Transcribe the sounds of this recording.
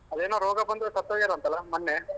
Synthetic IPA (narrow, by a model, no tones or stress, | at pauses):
ɐd̪eːnoːɾoːɡɐbɐnd̪usɐt̪ːoːɡiɾɐɐnt̪ɐlːɐmɐnːe